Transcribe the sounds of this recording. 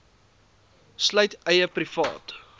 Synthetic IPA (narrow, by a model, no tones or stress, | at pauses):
slœjtəjəprifɑ̰ːt